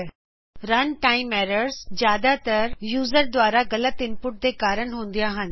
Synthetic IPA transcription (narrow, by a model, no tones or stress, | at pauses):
ɾɐnʈaːɪmɛːɾəɾzzjaːd̪at̪ɐɾjuːzəɾd̪waːɾaɣɐlət̪ɪ̃mpʊʈ̚d̪ekaːɾəɽ̃ɦũːn̆d̪ijãɦənɪ̆